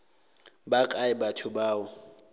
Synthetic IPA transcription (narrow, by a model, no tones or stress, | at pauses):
bakʼaɪbatʰʊbaːʊ